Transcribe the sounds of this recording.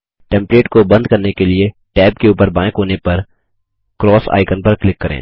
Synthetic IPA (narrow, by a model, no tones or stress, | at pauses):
ʈɛ̃ːmpleːʈkobɐ̃nd̪kɐɾnekelie | ʈɛːb̚keuːpəɾbãːkɦoːnepɐɾ | kɾɔːsa̰ːɪkənpɐɾklɪkːɐɾḛ̃ː